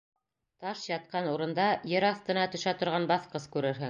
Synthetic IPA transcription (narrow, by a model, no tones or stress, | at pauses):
t̪ɑʃjɑt̪̚qɑnuɾɤ̆nd̪ɑjɘɾɑθt̪ɤ̆nɑt̪ɵ̆ʃæt̪ŏɾʁɑnbɑθqɤskʉɾɘɾɦɘŋ